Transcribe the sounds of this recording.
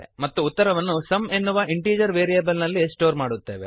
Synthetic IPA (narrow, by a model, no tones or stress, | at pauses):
mɐt̪ːuːt̪ːɐɾɐʋɐnːusɐme̞nːuʋɐʔiɳʈiːd͡ʒɐɾʋeːɾijɐːbɐlnɐlːisʈoːɾmaːɽut̪ːeːʋe